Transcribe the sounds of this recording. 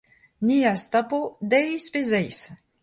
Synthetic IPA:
niast̪apod̪ɛjspezɛjs

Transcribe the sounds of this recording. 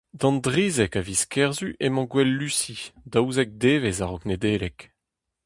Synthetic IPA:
d̪ɑ̃ndʁiːzɛkaviskʰɛʁzyʔemɑ̃ɡwɛlːysid̪awzɛk̚d̪eːvezaʁɔkned̪eːlɛk

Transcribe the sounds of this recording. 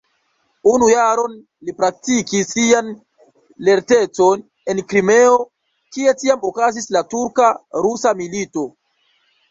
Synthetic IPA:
unujaɾo̞n | lipɾak̚tikisian | le̞ɾte̞t͡so̞n | enkɾime̞o̞ | kie̞tiamokazislatuɾkaɾusamilito̞

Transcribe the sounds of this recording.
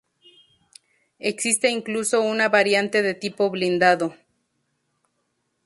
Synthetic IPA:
eksist̪eiŋkluso̞unaβaɾjant̪e̞ðe̞t̪ipo̞βlind̪aðo

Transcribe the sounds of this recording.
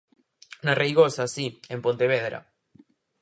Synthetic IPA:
narejɣosasiempont̪eβ̞eð̞ɾa̰

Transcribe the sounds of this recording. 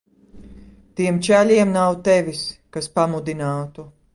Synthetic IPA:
t̪iɛmt͡ʃælʲiɛmnawt̪ɛvʲiskaspamud̪inaːt̪u

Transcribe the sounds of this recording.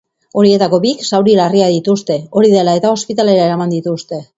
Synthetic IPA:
o̞ɾie̞t̪ako̞biksawɾilariaðit̪ust̪e̞o̞ɾiðe̞lae̞t̪ao̞spit̪ale̞ɾae̞ɾamand̪it̪ust̪e̞

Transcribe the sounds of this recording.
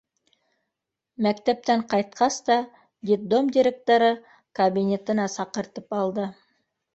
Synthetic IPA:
mækt̪æp̚t̪æɴqʰɑjt̪qʰɑst̪ɑ | d̪ʲit̪̚d̪o̞md̪iɾʲe̞k̚t̪o̞ɾə | kʰɐbʲinʲe̞t̪ɪnɑsɑqəɾt̪əpɑlˠd̪ə

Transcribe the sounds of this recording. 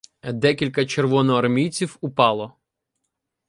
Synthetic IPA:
d̪ɛkʲilʲkɐt͡ʃerʋɔnɔɐrmʲijt͡sʲiwʊpɑlˠɔ

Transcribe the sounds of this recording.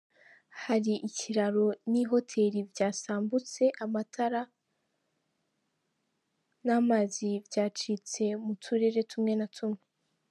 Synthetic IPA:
haɾiʔiciɾaɾo̞niɦo̞tʰe̞ɾivɟaːsaːmbut͡se̞ʔamatʰaɾa | namaːzivɟaːt͡ʃit͡se̞mutʰuɾe̞ɾe̞tʰumŋe̞natʰumŋe̞

